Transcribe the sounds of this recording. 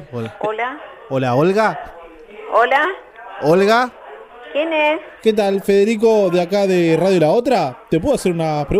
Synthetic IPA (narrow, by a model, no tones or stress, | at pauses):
olaola | olaolɣa | ola | olɣa | kjenesket̪̬alfeðeɾik̬o̞ðeakaðeraðjolaot̪̬ɾat̪ep̬weðoaseɾunapɾe